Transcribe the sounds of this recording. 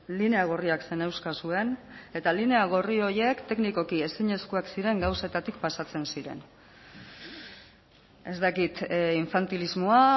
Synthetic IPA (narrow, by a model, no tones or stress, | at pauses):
line̞aɣ̞o̞riakse̞ne̞wskasue̞ne̞t̪aline̞aɣ̞orio̞ɾje̞kt̪e̞kniko̞kie̞siɲe̞skuaksiɾe̞ŋɡawse̞t̪at̪ikpasat͡se̞nsiɾe̞̰n | e̞zt̪akit̪iɱfant̪ilizmo̞a